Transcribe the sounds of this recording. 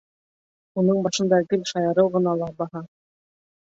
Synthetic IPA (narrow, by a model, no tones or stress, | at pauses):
unɤɴbɑʃɤ̆nd̪ɑɡɘlʃɑjɑɾɤwʁɤ̆nɑlˠɑbɑhɑ